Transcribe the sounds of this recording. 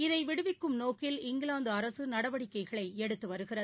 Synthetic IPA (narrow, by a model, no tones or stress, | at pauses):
ɪðɐɪʋɪɽɯʋɪkːɯmnoːkːɪlɪŋɡɪlaːnd̪ɯɐɾɐsɯnɐɽɐʋɐɽɪkːɐɪɣɐɭɐɪɛɽɯt̪ːɯʋɐɾɯɣɪrɐð